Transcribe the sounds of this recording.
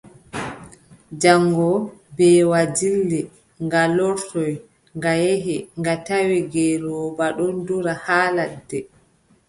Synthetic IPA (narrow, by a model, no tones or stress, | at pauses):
d͡ʒaŋɡɔbɛːwad͡ʒilːi | ŋɡalɔɾtɔj | ŋɡajeɦiŋɡatawiɡɛɾɔbaɗɔnduɾahaːladːɛ